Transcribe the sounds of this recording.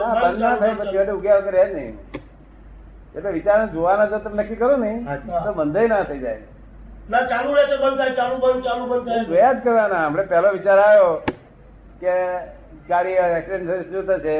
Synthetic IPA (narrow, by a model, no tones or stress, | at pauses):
naəɾnat̪ʰajpət͡ʃʰiʋaʈiuɡjalkəɾed͡ʒnəɦḭ | k̪et̪eʋit͡ʃaɾnad͡ʒoʋanad͡ʒət̪ənəkːikəɾonəɦĩt̪obənd̪ʱəjnat̪ʰəid͡ʒa̰j | nat͡ʃalũʋet͡ʃobənt̪ʰajt͡ʃalũbənt͡ʃalũbənt̪ʰaead͡ʒkəɾʋanaəmɾepɛloʋit͡ʃaɾajo | ke | kaɾiɛksiɖẽɳʈsəɾisd͡ʒut̪ʰət͡ʃʰe